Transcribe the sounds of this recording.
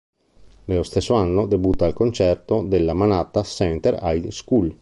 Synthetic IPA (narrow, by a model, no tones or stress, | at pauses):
nelost̪esːoanːod̪ebut̪ːaːlkont͡ʃɛrt̪od̪elːamanat̪asɛnt̪eɾajskul